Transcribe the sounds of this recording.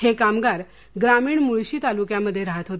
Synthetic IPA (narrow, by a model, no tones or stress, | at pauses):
hekamɡaɾ | ɡɾamiːɳmuɭɕiːt̪alukjaməd̪ʱːjeɾaɦət̪ɦot̪